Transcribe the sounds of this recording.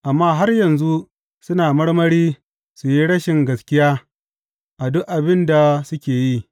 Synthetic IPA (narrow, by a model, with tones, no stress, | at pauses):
ʔa˨mːaː˦ɦa˦rjɐ˨nzu˦ | sʊ˦naː˨mɐ˦ɽmɐ˦ɽiː˦ | su˨ji˦ɽɐ˦ʃɪ˨ŋɡɐ˨skʲɪ˦jaː˦ | ʔa˨dʊ˦ʔʔa˨bɪ˦nda˨sʊ˦kʲeː˨ji˦